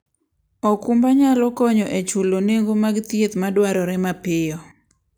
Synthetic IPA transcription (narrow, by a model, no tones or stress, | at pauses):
ɔkumbaɲalɔkɔɲɔʔet͡ʃuloneŋɡomaɡt̪jet̪madwaɾɔɾɛmapɪjɔ